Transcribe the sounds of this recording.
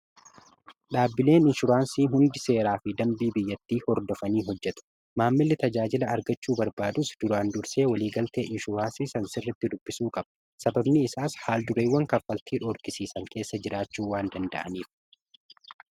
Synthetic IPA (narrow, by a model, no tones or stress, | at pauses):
ᶑaːbːɪle̞ːnɪnʃʊɾaːnsiːɦʊnd̪ɪse̞ːɾaːfɪd̪ɐmbiːbɪjːɐt̪ːiːhɔɾd̪ɔfɐniːɦɔd͡ʒːɛt̪ʊ̥ | maːmːɪlːɪt̪ɐd͡ʒaːd͡ʒɪlɐːɾɡɐt͡ʃːuːbɐɾbaːd̪ʊsd̪̥ʊɾaːnd̪ʊɾse̞ːwɐliːɡɐlt̪e̞ːʔɪnʃʊɾaːnsiːsɐnsɪrːɐt̪ːɪd̪ʊbːɪsuːkʼɐbɐ̥ | sɐbɐbnɪːsaːshaːld̪ʊɾeːwːɐŋkɐfːɐlt̪ʰiːᶑɔɾkɪsiːsɐŋke̞ːsːɐd͡ʒɪɾaːt͡ʃːuːwaːnd̪ɐnd̪ɐ̰ʔɐ̰niːf